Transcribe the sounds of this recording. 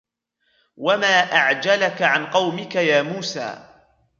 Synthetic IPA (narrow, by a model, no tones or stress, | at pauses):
wamaːʔaʕd͡ʒalakaʕanqɑwmɪkajaːmuːsa̰ː